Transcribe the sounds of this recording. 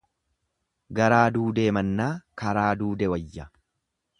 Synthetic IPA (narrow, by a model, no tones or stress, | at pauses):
ɡɐɾaːd̪uːd̪e̞ːmɐnːaːkɐɾaːd̪uːd̪ɛwɐjːɐ